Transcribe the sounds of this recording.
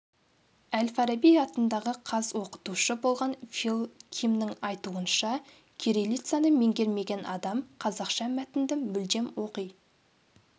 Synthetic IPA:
ælfɑɾabijɑt̪ənd̪ɑʁəqʰɑzwo̞qə̥t̪uʃəbolˠʁɑnfilˠkʲʰimnɪŋɑjt̪uənʃɑ | kʲʰeɾelʲijt̪sijanəme̞ŋɡʲe̞ɾme̞ɡʲe̞nʔɑd̪ɑmqʰɑzɑqʃɑmæt̪ɪnd̪ɪmʏld̪e̞mwo̞qəj

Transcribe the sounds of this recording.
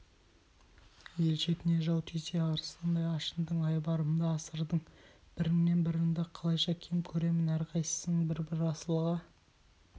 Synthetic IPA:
je̞lʃe̞t̪ɪne̞ʒɑwt̪ʰese̞ɑɾsɑnd̪ɑjɑʃənd̪əɴɑjbɑɾəmənd̪ɑːsəɾd̪əɴ | b̥ɪɾɪŋne̞nbɪɾɪŋd̪ɪqʰɑlˠɑjʃɑkʲʰemɪkʲʰɵɾe̞mɪnæɾqʰɑjsə̥səɴbɪɾbɪɾɑsəlˠʁɑ

